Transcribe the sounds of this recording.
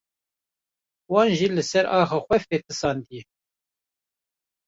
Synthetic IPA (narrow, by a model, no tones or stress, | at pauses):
wɑːnʒiːlɨsɛɾɑːxɑːxʷɛfeːt̪ɨsɑːnd̪ijɛ